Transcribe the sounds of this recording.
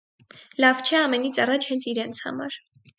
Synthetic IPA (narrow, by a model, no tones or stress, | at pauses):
lɑvt͡ʃʰɛɑmɛnit͡sʰɑrɑt͡ʃʰhɛnt͡sʰiɾɛnt͡sʰhɑ̰mɑ̰ɾ